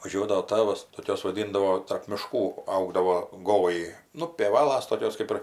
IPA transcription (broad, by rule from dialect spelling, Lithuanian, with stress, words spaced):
ʋɐˈʒʲuɔdɐʋoː ˈtɑːʋɐs toːˈkʲoːs ʋɐˈdʲɪndɐʋoː tɐrp mʲɪˈʃkuː ˈɐʊɡdɐʋoː ˈɡoːlˠɐɪ nʊ pʲeːˈʋɑːlˠɐs toːˈkʲoːs ˈkɐɪp ɪr